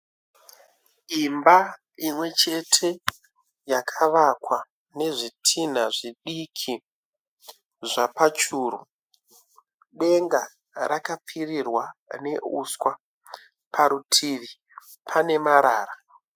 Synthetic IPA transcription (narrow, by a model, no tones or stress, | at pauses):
imba | imwe̞t͡ʃe̞tʰe̞ | jakʰaʋakwa | ne̞ʐitʰin̤aʐiɗikʰi | ʐapat͡ʃuːɾu | ɗe̞ŋɡa | rakap͡firirwane̞ṵskwa | pʰaɾutʰiʋi | pʰane̞maɾaːra